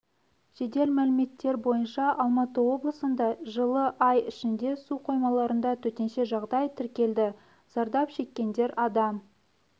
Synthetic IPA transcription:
ʒ̥e̞d̪e̞lmælɪme̞t̪ːe̞ɾbo̞jənʃɑʔɑlˠmɑt̪əwo̞blˠəsənd̪ɑʒəlˠəʔɑjɪʃɪnd̪e̞suqʰo̞jmɑlˠɑɾənd̪ɑt̪ʰɵt̪e̞nʃe̞ʒɑʁd̪ɑjt̪ʰɪɾkʲe̞ld̪ɪ | z̥ɑɾd̪ɑpʃe̞kʲːe̞nd̪e̞ɾɑd̪ɑm

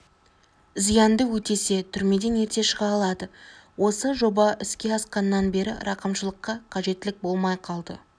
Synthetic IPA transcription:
zijɑnd̪əwɵt̪e̞se̞t̪ʰʏɾme̞d̪e̞ne̞ɾt̪e̞ʃəʁɑːlˠɑd̪əwo̞səʒo̞bɑʔɪskʲe̞ɑsqɑnːɑnbe̞ɾɪ̰ɾɑqəmʃəlˠəqːɑqʰɑʒe̞t̪ːɪlɪk̚bo̞lˠmɑjqʰɑlˠd̪ə̰

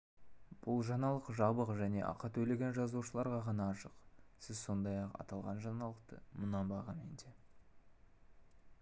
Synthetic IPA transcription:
b̥ʊlˠʒɑnɑlˠəqʒɑbəqʒæne̞̰ʔɑ̰qːɑt̪ʰɵle̞ɡʲenʒɑzuʃəlˠɑɾʁɑʁɑnɑːʃəqsɪzso̞nd̪ɑjɑqɑ̰t̪ɑlˠʁɑ̰nʒɑnɑlˠəq̚t̪ə̰mʊnɑmbɑʁɑnmend̪e

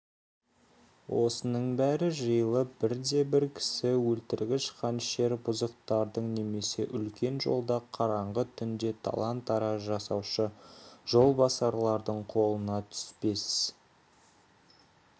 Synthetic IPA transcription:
wʔo̞sənəɴbæɾɪʒəjəlˠəbɪɾd̪e̞bɪɾkʲʰɪ̥sɪwɵlt̪ɪɾɡʲɪʃqʰɑnʃe̞ɾbʊzəq̚t̪ɑɾd̪əɴne̞me̞se̞ʔʏlkʲʰe̞nʒo̞̰lˠd̪ɑqʰɑɾɑɴʁət̪ʰʏnd̪e̞t̪ʰɑ̰lˠɑnt̪ɑɾɑʒɑsɑwʃəʒo̞lˠbɑsɑɾlˠɑɾd̪əɴqʰo̞lˠənɑt̪ʰʏ̥spe̞sɪz

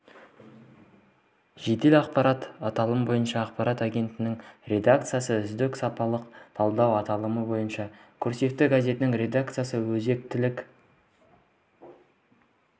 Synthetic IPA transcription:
ʒ̥e̞t̪e̞lɑqpɑɾɑt̪ɑt̪ɑlˠəməbo̞jənʃɑːqpɑɾɑt̪aɡʲe̞nt̪ɪnɪŋrʲe̞d̪akt̪sɨjasəʏzd̪ɪksɑpɑlˠəqt̪ʰɑlˠd̪ɑwɑt̪ɑlˠəməbo̞jənʃɑkʲʰʏɾse̞k̪̚ːɪɡazʲe̞t̪ɪnɪŋɾʲe̞d̪ak̚t̪sɨjasəwɵze̞k̚t̪ɪlɪk

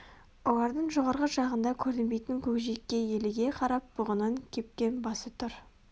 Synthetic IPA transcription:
wolˠɑɾd̪əɴʒoʁɑɾʁəʒɑʁənd̪ɑkʲʰɵɾd̪ɪnbejt̪ɪŋkʲʰɵkʒekʲːe̞je̞lɪɡʲe̞qʰɑɾɑp̚b̥ʊʁənəŋkʲʰe̞p̚kʲe̞nbɑsət̪ʰʊɾ

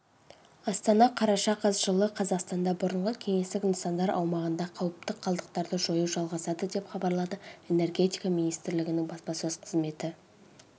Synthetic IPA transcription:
ɑst̪ɑnɑqʰɑɾɑʃɑqʰɑzʒəlˠəqʰɑzɑqst̪ɑnd̪ɑbʊɾəɴʁəkʲʰe̞ŋe̞st̪ɪkʲʏnsɑnd̪ɑɾʔɑ̰wmɑʁənd̪ɑqʰɑwəp̚t̪əqʰːɑlˠd̪əq̚t̪ɑɾd̪əʒo̞juʒɑlˠʁɑsɑd̪əd̪epχɑbɑɾlˠɑd̪əe̞ne̞rɡʲe̞t̪ijkɑminijst̪ɪɾlɪɡʲɪnɪŋbɑspɑsøzqʰəzme̞t̪ɪ

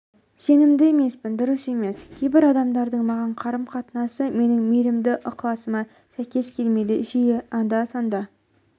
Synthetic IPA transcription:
se̞nɪmd̪ɪeme̞spɪnd̪ʊɾəse̞me̞skʲʰe̞jbɪɾɑd̪ɑmd̪ɑɾd̪əɴmɑʁɑɴqʰɑɾəmqʰɑt̪ənɑsəme̞nɪŋmeɾɪmd̪ɪʔʊqlˠɑsəmɑ | sæjkʲe̞skʲʰe̞lme̞d̪ɪʒijeɑnd̪ɑsɑnd̪ɑ

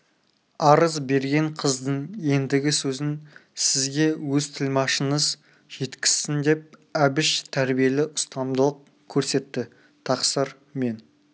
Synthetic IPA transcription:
ɑɾəzbe̞ɾɡʲe̞ɴqʰəzd̪əɴje̞nd̪ɪɡʲɪsɵzɪnsɪzɡʲe̞wɵzt̪ʰɪlmɑʃənəz | ʒ̥e̞t̪kʲɪ̥sːɪnd̪e̞p̚æbɪʃt̪ʰæɾbije̞lɪʔʊst̪ɑmd̪əlˠəq̚ | kʲʰɵɾse̞t̪ːɪ | t̪ʰɑqsəɾ | me̞n

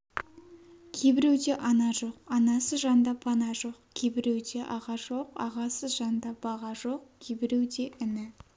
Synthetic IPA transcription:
kʲʰejbɪɾewd̪e̞ʔɑnɑʒo̞qɑnɑsəʒɑnd̪ɑpʰɑnɑʒo̞qkʲʰebɪɾewd̪e̞ʔɑʁɑʒo̞qɑ̰ʁɑsəʒɑnd̪ɑb̥ɑʁɑʒo̞qkʲʰebɪɾewd̪e̞ʔɪnɪ

